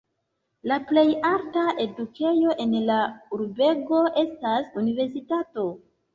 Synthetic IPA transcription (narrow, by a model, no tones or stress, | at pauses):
laple̞jaltaʔe̞dukʰe̞jo̞ʔe̞nlauɾbe̞ɡo̞e̞stasunive̞ɾs̬itato̞